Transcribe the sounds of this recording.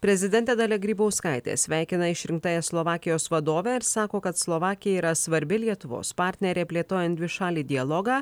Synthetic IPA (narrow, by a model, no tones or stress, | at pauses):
pʲɾʲɛzʲɪd̪ʲɛnʲt̪ʲeːd̪ɐlʲɛɡɾʲiːbɐʊskɐˑɪt̪ʲḛːsʲʋʲæˑɪkʲɪnɐɪʃʲɾʲɪŋk̚t̪ɑːjɛslˠɔʋɑːkʲɪjoːsʋɐd̪oːʋʲɛːɪɾssɑːkoːkɐt̪slˠɔʋɑːkʲɪjɛiːɾɐsʋɐɾʲbʲɪlʲiɛt̪ʊʋo̰ːspɑːɾʲt̪ʲnʲɛɾʲeːpʲlʲeːt̪oːjɛnd̪ʲʋʲɪʃɑːlʲiːd̪ʲɪjɐlˠɔːɡɑː